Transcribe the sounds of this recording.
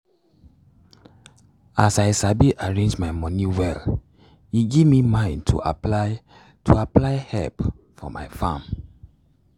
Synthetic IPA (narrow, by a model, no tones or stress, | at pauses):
asaɪsabiʔaɹẽnd͡ʒmaɪmɔ̃niwɛl | iɡivmimãɪ̃ndtʰṵa̰ | tʰuaplaɪhɛ̰lp | fɔ̰ma̰ɪfã̰m